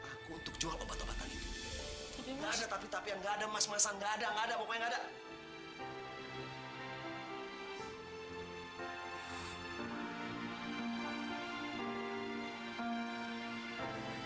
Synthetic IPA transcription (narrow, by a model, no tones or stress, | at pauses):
akuːnt̪ʊk̚t͡ʃuakabat̪oba̰k̪a̰li | ŋɡaadat̪apit̪apijaŋɡaːdamasmasaŋɡaːdaŋɡadabokajaŋɡada